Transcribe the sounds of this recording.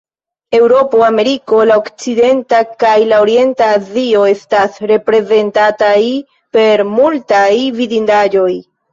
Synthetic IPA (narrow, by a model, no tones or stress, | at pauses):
e̞wɾo̞poame̞ɾiko̞laokt͡side̞ntakajlaoɾie̞ntaːzio̞e̞stasɾe̞pɾe̞ze̞ntataj | pe̞ɾmultajvidindad͡ʒo̞j